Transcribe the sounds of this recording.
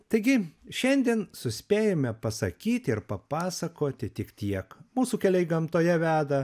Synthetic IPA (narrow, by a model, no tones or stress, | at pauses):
t̪ɐɪɡʲɪʃʲɛnʲd̪ʲiɛnsʊsʲpʲeːjoːmʲɛpɐsɐkʲiːt̪ʲɪɾpɐpɑːsɐkoːt̪ʲɪt̪ʲɪkt̪ʲiɛkmuːsuːkʲɛlʲɛɪɡɐmt̪oːjɛʋʲæːd̪ɐ